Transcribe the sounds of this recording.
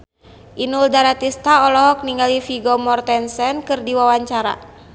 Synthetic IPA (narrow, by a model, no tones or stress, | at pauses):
ʔinuldaɾat̪ist̪aɔlɔɦɔk̚niŋɡalifiɡɔmɔrt̪ɛnsɛnkɨrdiwawaɲt͡ʃaɾa̰